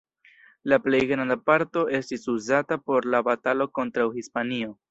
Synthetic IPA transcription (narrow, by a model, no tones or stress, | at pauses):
laple̞jɡnandapaɾto̞e̞stisuzatapo̞ɾlabatalo̞ko̞ntɾawhispanio̞